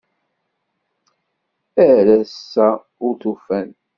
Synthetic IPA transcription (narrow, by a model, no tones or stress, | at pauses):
æɾæsːæ | ʊɾθufæn